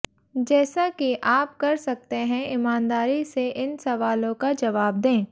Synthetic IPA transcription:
d͡ʒɛːsakiʔaːp̚kɐɾsɐk̚t̪eɦɛ̃ɪmaːnd̪aːɾiseʔɪnsɐʋaːlõkad͡ʒɐʋaːb̚d̪ẽː

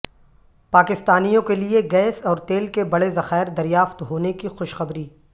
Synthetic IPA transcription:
paːkɪst̪aːnijõkelieɡɛːsɔːɾt̪eːlkebɐɽezɐxaːɪɾd̪ɐɾijaːft̪ɦoːnekixʊʃxɐbɾiː

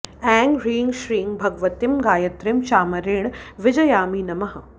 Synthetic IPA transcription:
ɛːŋɡɾiːŋɡʃɾiːŋɡbʱɐɡʋɐt̪imɡaːjɐt̪ɾɪmʃaːmɐɾeːɽʋɪd͡ʒɐjaːmiːnɐmɐɦɐ

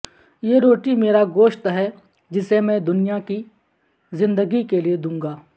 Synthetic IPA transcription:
jeːɾoːʈimeːɾaɡoːʃt̪ɦɛ | d͡ʒɪsemɛ̃d̪ʊnɪjaki | zɪ̃nd̪əɡikelied̪ũːŋɡaː

